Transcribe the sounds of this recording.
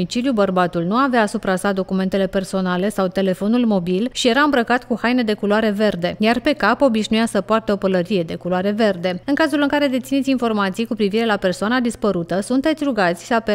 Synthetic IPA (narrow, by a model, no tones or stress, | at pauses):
it͡ʃilijubərbat̪ulnuaveaːsupɾasad̪o̞kume̞nt̪e̞le̞pe̞rso̞nale̞sawt̪e̞le̞fo̞nulmo̞bilʃije̞ɾaɨmbɾəkat̪kuhajne̞d̪e̞kuloaɾe̞ve̞rd̪e̞jarpe̞kapo̞biʃnujasəpoart̪eo̞pələɾije̞d̪e̞kuloaɾe̞ve̞rd̪e̞ɨŋkazulɨŋkaɾe̞d̪e̞t̪sinet̪sʲinfo̞rmat̪sijkupɾiviɾe̞lape̞rsoanad̪ispəɾut̪əsunt̪e̞t̪sʲɾuɡat̪sʲsape